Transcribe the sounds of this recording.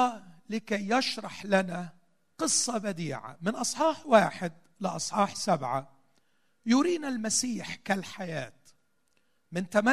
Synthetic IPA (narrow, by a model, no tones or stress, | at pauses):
lɪkajːaʃɾˤɑħlana | qɨsˤːɑbad̪iːʕa̰mɪnʔɑsˤħɑːħwaːħɪd̪̚ | lɪʔɑsˤħɑːħsabʕa | jʊɾiːnalmasiːħkalħajaːt̪ | mɪnt̪ama